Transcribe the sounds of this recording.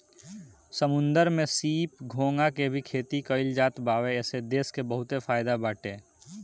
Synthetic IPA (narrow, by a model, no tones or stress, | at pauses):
səmʊ̃nd̪əɾmẽsiːpɡʱoːŋɡakebʱikʰeːt̪ikəɪld͡ʒaːt̪baːʋeɛːsed̪eːskebəɦʊt̪efʰaːɪd̪abaːʈeː